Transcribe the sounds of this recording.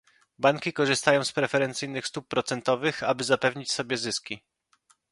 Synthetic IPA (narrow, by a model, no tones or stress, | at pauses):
baŋkʲikɔʐɘst̪ajɔ̃w̃spɾɛfɛɾɛnt̪sɘjnɘxst̪upːɾɔt̪sɛnt̪ɔvɘxa̰bɘzapɛvɲit͡ɕsɔbʲjɛzɘskʲi